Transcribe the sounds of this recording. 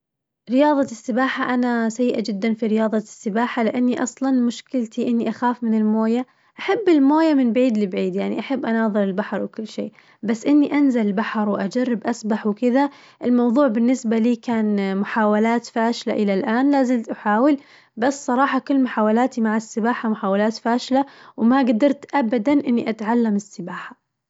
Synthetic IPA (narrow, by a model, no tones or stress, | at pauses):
ɾɪjɑːðˤɑsːɪbaːħaʔanasajːʔad͡ʒɪd̪ːanfiɾɪjɑːðˤɑsːɪbaːħalɪʔanːiʔɑsˤlɑnmʊʃkɪlt̪iʔɪnːiʔaxaːfmɪnɪlmoːja | ʔaħabːɪlmoːjamɪnbʕiːd̪lɪbʕiːd̪jaʕnḭʔaħabːʔanɑːðˤɨɾɪlbaħɾˤwɪkʊlːʃḛː | basːʔɪnːiʔanzalɪlbaħɾˤwʔad͡ʒarːɪbʔasbaħwkɪða | ʔɪlmɑwðˤuːʕbɪnːɪsbaliːkaːnmʊħaːwalaːt̪faːʃla̰ʔɪlalʔaːnlaːzɪlt̪ʔaħaːwɪl | basːsˤɑɾˤɑːħɑkʊlːmʊħaːwalaːt̪imaʕasːɪbaːħamʊħaːwalaːt̪faːʃlawmaɡad̪ɑɾˤt̪ʔabad̪anʔɪnːiʔat̪ʕalːamɪsːɪbaːħḁ